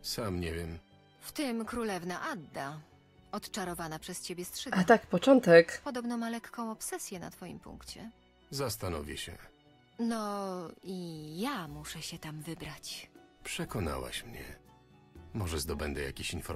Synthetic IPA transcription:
samɲɛvʲjɛm | ft̪ɘmkɾulɛvnaʔad̪ːa | ɔt̪t͡ʂaɾɔvanapʂɛst͡ɕebʲjɛstʂɛat̪akpɔt͡ʂɔnt̪ɛkpɔd̪ɔbnɔ̃malɛkːɔ̃w̃ɔpsɛsʲjɛna̰t̪fɔjḭmpṵŋkt͡ɕɛ | zast̪anɔvʲjɛ̰ɕɛ̰ | nɔijamuʂɛɕɛt̪amvɘbɾat͡ɕpʂɛkɔna̰wa̰ɕmɲɛ̰ | mɔʐɛzd̪ɔbɛnd̪ɛja̰kʲiɕinfɔ

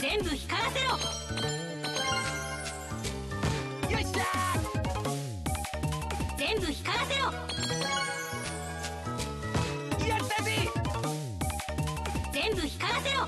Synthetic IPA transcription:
zẽ̞mbɯ̟çi̥kaɾaseɾo | joa | d͡zẽ̞mbɯ̟çi̥kaɾasejo | jat̪api | d͡zẽ̞mbɯ̟çi̥kaɾaseɾo

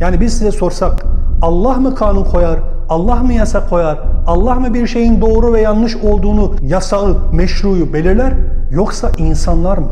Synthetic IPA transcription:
jaːnibizsizɛso̞ɾsakalˠːaɦmɯkʰaːnunkʰo̞jaɾ | alˠːaɦmɯjasakʰːo̞jaɾalˠːahmɯbiɾʃe̞jind̪o̞ːɾuvɛjanlˠɯʃo̞lˠd̪uːnujasaɯmɛʃɾuːjube̞lʲiɾlʲæɾjo̞ksaʔinsanlˠaɾmɯ

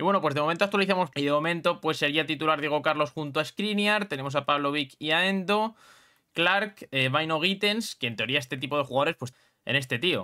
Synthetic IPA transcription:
iβwe̞no̞pwe̞zðemo̞ment̪oak̚t̪waliθamo̞siðe̞mo̞mẽnt̪o̞pwe̞sːe̞ɾiat̪it̪ulaɾðje̞ɣ̞o̞kaɾlo̞sxunt̪oaeskɾinjaɾt̪e̞ne̞mosapaβlo̞β̞ikiaend̪o̞ | klaɾkeβajno̞ɣ̞it̪e̞nskeːnt̪e̞ɾiae̞st̪e̞t̪ipo̞ð̞exuɣaðoɾe̞spwe̞s | e̞̰ne̞st̪e̞t̪io̞̰

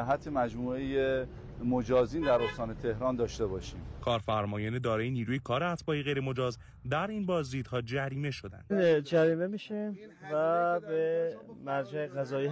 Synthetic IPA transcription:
æɦæt̪ʰːemæd͡ʒmuːeje | mod͡ʒɒːziːnd̪æɾost̪ɒːnet̪ʰe̞hɾɒːnd̪ɒːʃt̪e̞bɒːʃiːmkʰɒːɾfæɾmɒːjɒːned̪ɒːɾɒːjeniːɾuːjekʰɒːɾeæt̪ʰbɒːiɣejɾemo̞d͡ʒɒːz | d̪æɾinbɒːzd̪iːd̪̥hɒːd͡ʒæɾiːme̞ʃo̞d̪æ̰nd̪nd͡ʒæɾiːme̞miːʃi | væbemæɾd͡ʒæeɣæzɒːi

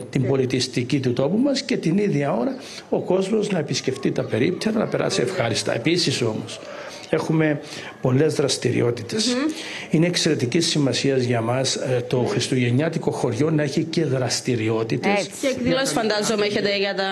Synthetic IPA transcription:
t̪imbo̞lit̪ist̪icit̪ut̪o̞pumɐsce̞t̪iniðʝɐo̞ɾɐ | o̞ko̞zmo̞znɐe̞pisce̞ft̪it̪ɐpe̞ɾḭpt̪ʰeɾɐnɐpe̞ɾɐ̰siefxɐɾist̪ɐ̰e̞̰pisiso̞mos | e̞xume̞ | po̞le̞zðɾɐst̪iɾḭo̞t̪i̥t̪e̞sine̞ːkse̞ɾe̞t̪icisːimɐsiɐzʝɐmɐst̪o̞xɾist̪uʝe̞ɲɐt̪iko̞xo̞ɾʝo̞nɐe̞çice̞ðɾɐst̪iɾio̞t̪it̪es | losfɐnd̪ɐzomeçet̪eʝɐt̪ɐ

